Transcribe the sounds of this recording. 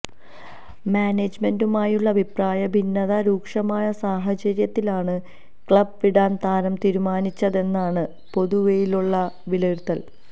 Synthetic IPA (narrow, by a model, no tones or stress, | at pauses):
maːneːd͡ʑme̞ndumaːjuɭːɐbʱipraːjɐbʱinːɐðɐɾuːkʂɐmaːjɐsaːɦɐt͡ɕɐɾjɐt̪ːilaːɳɨ | kɭɐb̚ʋiɽaːnt̪aːɾɐmt̪iːɾumaːnit͡ɕːɐðe̞nːaːɳɨ | po̞ðuʋejiluɭːɐʋilert̪ːɐl